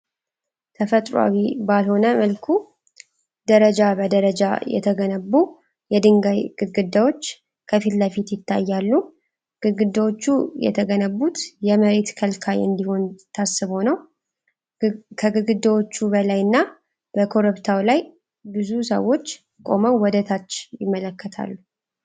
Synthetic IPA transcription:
t̪ʰəfət̪ʼɾa̰wibalho̞nəməlkʰu | d̪əɾəd͡ʒabəd̪əɾəd͡ʒa̰jɛ̰t̪ʰəɡənəbːu | jɛd̪ɨŋɡajɡɨɡɨd̪ːawo̞t͡ʃː | kʰəfilːəfit̪jɪt̪ʰːa̰jːalːu | ɡ̥ɨɡɨd̪ːəwot͡ʃːujɛ̰t̪ʰəɡənəβːut̪jɛməɾe̞t̪kʰəlkʰajɨ̰nd̪iho̞nt̪ʰasːɨβho̞nəw | kʰəɡɨɡɨd̪ːəwo̞t͡ʃːubəlajɨnːa | b̥əkʰo̞ɾɨβt̪ʰawlaj | bɨzusə̰wːo̞t͡ʃː | kʼo̞̰məwwɔd̪ət̪ʰat͡ʃːjɪmːələkːət̪ʰa̰lːu

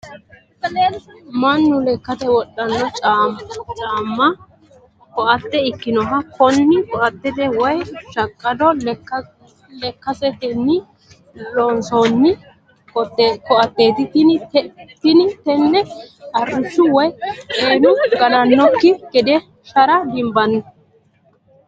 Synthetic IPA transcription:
sɐleːlmɐnːʊlɛkːɐt̪ɛwɔɗːɐnːɔt͡ʃʼamt͡ʃʼaːmːɐ | kɔʔɐt̪ːɛɪkːɪnɔɦɐkɔnːɪkɔʔɐt̪ːɛd̪ɛwɔjʃɐkʼːɐd̪ɔ | lɛkːɐsɛt̪ɛnːɪ | lonsoːnːɪ | kɔt̪ːkɔʔɐt̪ːe̞ːt̪ɪt̪ɪnɪt̪t̪ɪnɪt̪ɛnːɛɐrːʊʃːʊwɔjʔeːnʊɡɐnɐnːɔkːɪɡɛd̪ɛ | ʃɐɾɐd̪ɪmbɐnːʊ

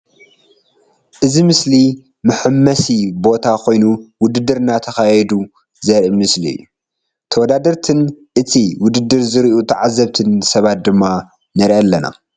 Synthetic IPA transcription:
ʔɨzimɨsli | mɨħɨmːɐsibo̞t̪ʰakʰo̞jnuwʊd̪ɨd̪ːɨɾnat̪ʰɐxajɛd̪u | zɐɾʔimɨsliɨ̰jːu | t̪ʰɐwɔd̪ad̪ɐɾt̪ʰɨnʔɨt̪ʰiwʊd̪ɨd̪ːɨɾzɨɾʔut̪ʰɐʕazːɐβt̪ʰɨnsɐβat̪̚d̪ɨmːa | nɨɾʔɐlːɐna̰

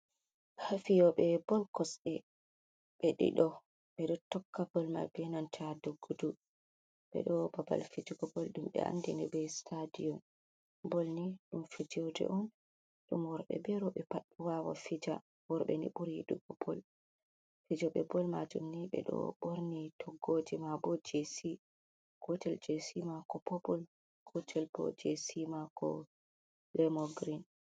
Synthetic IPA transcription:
hafijɔɓɛbɔlkɔsɛ | ɓɛɗḭɗɔ | ɓɛɗɔtɔkːabɔlma̰bɛnantʰadoɡːudu | ɓɛ̰ɗɔbaba̰lfid͡ʒuɡɔbɔlɗumɓɛ̰a̰ndinibɛstʰadijɔn | bɔlniɗumfid͡ʒɔdɛ̰ʔɔn | ɗumwɔɾɓɛ̰bɛɾɔɓɛpaɗːuwawafid͡ʒa | wɔɾɓɛ̰nḭɓuɾiɗuɡɔbɔl | fid͡ʒɔɓɛbɔlmad͡ʒumniɓɛ̰ɗɔ̰ɓoɾnitʰɔɡːod͡ʒimabɔd͡ʒesi | kɔtɛld͡ʒesimakɔpɔpɔl | kɔtʰɛlbɔ̰d͡ʒesimakɔ | lɛmɔɡɾin

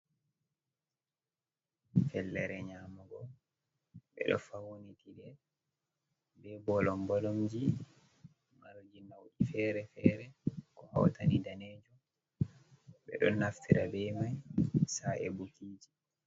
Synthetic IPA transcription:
fɛlːɛɾɛɲaːmuɡɔ | ɓɛ̰ɗɔ̰fawonikidɛ | bɛbɔlɔmbalɔmd͡ʒi | maɾd͡ʒinawʔifɛɾɛfɛɾɛkɔha̰wtanidaneːd͡ʒɔ | ɓɛ̰ɗɔ̰nːaftʰiɾabɛmajsaɛbukiːd͡ʒi

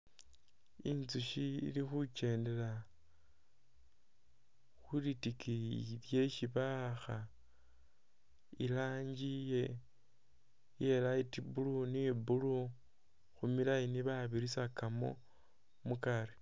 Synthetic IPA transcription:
inzuʃiḭlixut͡ʃe̞ːnde̞la | xulitikiilje̞ʃiβaxa | ilaːɲd͡ʒije̞ | jelaitibulunibulu | xumilainiβaβiɾisakamo̞̰ | mukaɾe

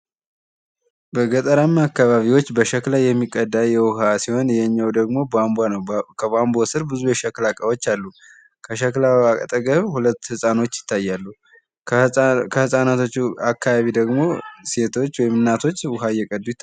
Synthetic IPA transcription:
bəɡət̪ʼəɾamakːaβaβiwo̞t͡ʃːbəʃəklajɛmːikʼːəd̪ːaljɛwʊɦasiho̞njɛɲːawd̪əɡmo̞bambanəwkʰəβambo̞sɨɾbɨzujɛʃɛklakʼəwo̞t͡ʃːalːu | kʰəklawakʼət̪ʼəɡəβhulət̪ːhɨsʼano̞t͡ʃːjɪ̥t̪ʰːajːalːu | kʰəhɨsʼanat̪ʰo̞t͡ʃːuakːaβaβid̪əɡmo̞se̞t̪ʰo̞t͡ʃːwɔjɪmɨnːat̪ʰo̞t͡ʃːwʊɦajɛkʼəd̪ːujɪt̪ː

